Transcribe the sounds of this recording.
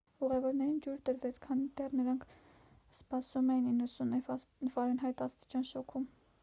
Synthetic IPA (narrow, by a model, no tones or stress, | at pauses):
uʁɛvɔɾnɛɾind͡ʒuɾd̪əɾvɛt͡sʰkʰɑnid̪ɛrnəɾɑŋkʰ | spɑsumɛjininːəsunvɑɾɛnɦɑjt̪ɑst̪i̥t͡ʃɑnʃɔkʰum